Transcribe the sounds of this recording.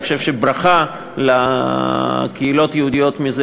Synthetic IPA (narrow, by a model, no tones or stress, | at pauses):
xoʃe̞vʃebʁaχa | la | keilo̞t̪jeud̪ijo̞t̪miz